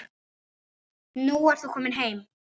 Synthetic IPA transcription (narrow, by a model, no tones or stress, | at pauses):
nuaɾ̥θukʰɔːmɪnɦejm